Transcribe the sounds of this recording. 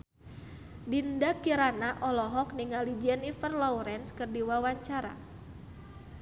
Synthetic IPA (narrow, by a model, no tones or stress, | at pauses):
dindakiɾanaʔɔlɔɦɔk̚niŋalid͡ʒianifərlɔwɾɛnskɨrdiwawaɲt͡ʃaɾa̰